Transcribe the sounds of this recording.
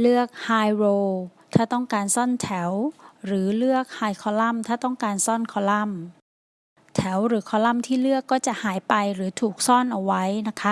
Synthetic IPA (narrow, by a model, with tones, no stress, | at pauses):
lɯ˥˩ək̚haː˧jɾoː˧t̪ʰaː˥˩t̪ɔ˥˩ŋkaː˧nsɔ˥˩nt̪ʰɛ˩˦wɾɯː˩˦lɯ˥˩ək̚haː˧jkʰɔː˧la˥˩mt̪ʰaː˥˩t̪ɔ˥˩ŋkaː˧nsɔ˥˩nkʰɔː˧la˥˩m | t̪ʰɛ˩˦wɾɯː˩˦kʰɔː˧la˥˩mt̪ʰiː˥˩lɯ˥˩əkːɔː˥˩t͡ɕa˨˩ʔhaː˩˦jpa˧jɾɯː˩˦t̪ʰuː˨˩k̚sɔː˥˩nʔa˧wa˦˥jna˦˥kʰa˦˥